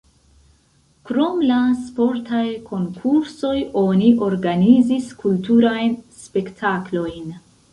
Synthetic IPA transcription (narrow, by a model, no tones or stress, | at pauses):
kɾo̞mlaspo̞ɾtajkʰo̞ŋkʰuɾso̞jo̞niʔo̞ɾɡaniziskʰultuɾajnspe̞ktʰaklo̞jn